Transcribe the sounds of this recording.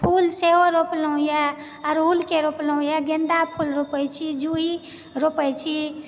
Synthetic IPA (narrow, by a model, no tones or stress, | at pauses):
pʰulseɦoɾopləũja | ɔɾɦulkeɾopləũjaɡend̪apʰulɾopəjt͡ʃʰid͡ʒuɦi | ɾopəjt͡ʃʰi